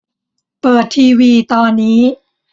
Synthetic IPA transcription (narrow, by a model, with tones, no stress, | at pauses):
pɤː˨˩t̪ʰːiː˧wiː˧t̪ɔː˧nːiː˦˥